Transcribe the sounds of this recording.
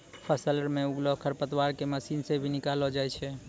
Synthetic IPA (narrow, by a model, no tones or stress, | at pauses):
pʰəsələɾmeuɡlokʰəɾpət̪waɾkeməsinsebʱinikalɔd͡ʒaɛt͡ʃʰɛ